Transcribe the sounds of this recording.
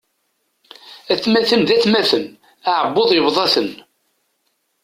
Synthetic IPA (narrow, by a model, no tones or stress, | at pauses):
æθmæθənðæθmæθəm | aʕəbːoðˤjəβðˤɑθən